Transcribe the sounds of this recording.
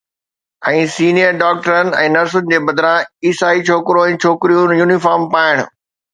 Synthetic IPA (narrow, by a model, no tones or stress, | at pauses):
ɛ̃ːsiːnijəɾɖaːk̚ʈəɾənɪ̆ɛ̃ːnɐɾsʊnɪ̆d͡ʑeːbɐd̪ɪɾãiːsaːit͡ɕʰoːkɾõɛ̃ːt͡ɕʰoːkɪɾijũnjuːnifaːɾmpaːɪɽ̃ʊ̰̆